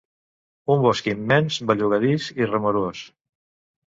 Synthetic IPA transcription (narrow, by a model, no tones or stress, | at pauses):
umbɔskiːmːɛnzβaʎuɣəðisirəmoɾos